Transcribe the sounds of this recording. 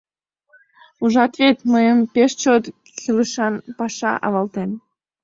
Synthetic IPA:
uʒɑt̪vet̪məjəmpeʃt͡ɕot̪ | kiləʃɑnpɑʃɑ̰ʔɑ̰βɑlt̪en

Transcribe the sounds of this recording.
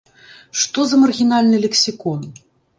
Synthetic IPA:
ʂt̪ɔzɐmɐrɣʲinalʲnɨlʲɛksʲikɔn

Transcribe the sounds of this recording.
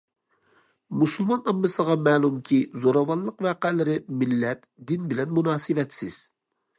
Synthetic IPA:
musulˠmɑnɑmːɨsəʁɑmɛːlˠumkʲʰizoɾɑwɑnlˠəqvæːqælɪɾɪmɪlːɛt̪d̪ɪnbɪlɛnmunɑːsɨvɛt̪sɪz̥

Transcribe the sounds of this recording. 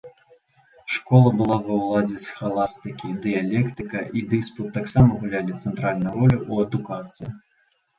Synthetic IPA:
ʂkɔlˠɐbɨlˠavɐwlˠad͡zʲɛsxalˠast̪ɨkʲid̪ɨjalʲɛkt̪ɨkɐʔid̪ɨsput̪ːaksamɐɣulʲalʲit̪sɛnt̪ɾalʲnɐjuɾɔlʲuʔuɐd̪ukat̪sɨji

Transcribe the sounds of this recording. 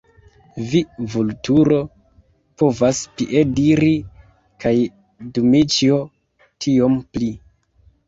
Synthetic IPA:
vivultuɾo̞ | po̞vaspiʔediɾi | kaj | dumit͡ʃio | tʰio̞mpli

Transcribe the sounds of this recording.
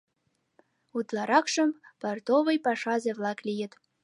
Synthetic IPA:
ut̪lˠɑɾɑkʃɤ̆mpɑrt̪oβɤ̆jpɑʃɑzevlˠɑklʲijɘ̆t̪

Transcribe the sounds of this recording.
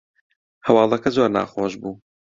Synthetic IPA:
hɐwɑːlˠɐkɐzoːɾna̰ːxoːʒbuː

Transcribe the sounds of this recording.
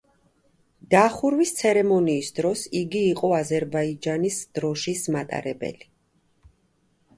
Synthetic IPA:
d̪̥aχuɾwist̪sʰɛɾɛmɔniːsd̪ɾɔsiɡiːqʼɔazɛɾbaid͡ʒanisd̪̥ɾɔʃismat̪ʼa̰ɾɛ̰bɛ̰li

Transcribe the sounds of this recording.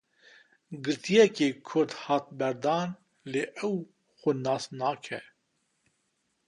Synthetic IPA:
ɡɨɾt̪ʰijɛkeːkʰʊɾd̪hɑːt̪̚bɛɾd̪ɑːn | leːʔɛw | xʷʊnɑːsnɑːkʰɛ̰

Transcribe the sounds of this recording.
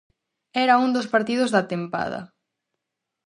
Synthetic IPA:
ɛɾɐund̪ospaɾt̪ið̞ʊzðat̪empa̰ðɐ̰

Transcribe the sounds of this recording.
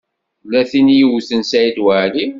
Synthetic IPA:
lːæθinjiwθənsʕid̪wəʕli

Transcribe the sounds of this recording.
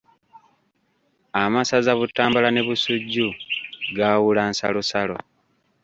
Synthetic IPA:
amasazaβutːaːmbalane̞βusuɟːuɡawulansa̰lusalo̞̰

